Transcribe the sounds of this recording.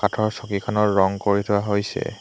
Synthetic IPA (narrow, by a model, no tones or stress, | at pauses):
katʰɔɹsɔkikʰɔnɔɹːɔŋkoɹitʰʊwaɦojsɛ̰